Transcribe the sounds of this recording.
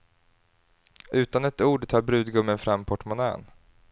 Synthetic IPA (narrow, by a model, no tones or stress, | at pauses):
ʉ̟ːt̪anɛt̪uːɖʈʰɑːɾbɾʉ̟ːd̪ɡɵmːənfɾamːpʰɔʈmʊnɛ̰ːn